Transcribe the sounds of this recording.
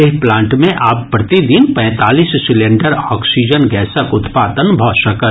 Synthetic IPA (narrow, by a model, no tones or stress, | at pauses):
eɦplãːɳʈmẽʔaːpːpɾɐt̪id̪inpɛ̃ːt̪aːliːssɪlẽɳɖəɾɔːksiːd͡ʒənɡɛːsəkʊt̪paːt̪ənbʱɔːʃəkə